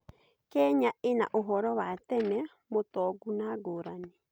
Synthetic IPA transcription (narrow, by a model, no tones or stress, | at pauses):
kɛɲaʔena̰ʔoɦɔɾɔwatɛmɛ | motɔɡunaɡoːɾane